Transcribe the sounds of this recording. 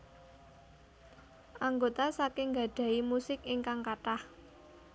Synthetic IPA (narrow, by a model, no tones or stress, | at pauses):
ʔaŋɡot̪asakɪŋɡa̤ɖ̥a̤imusɪkiŋkaŋkaʈah